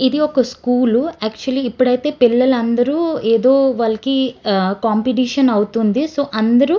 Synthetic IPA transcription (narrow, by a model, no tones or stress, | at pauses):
id̪iɔkɐskuːluɛːk̚t͡ʃuɐliːpːuɽɐjt̪e̞ːpilːɐlɐnd̪ɐɾuːeːd̪oːʋaːlɐkikaːmpiʈ̬iːʂɐnɐwut̪und̪isoːʔɐnd̪ɐɾu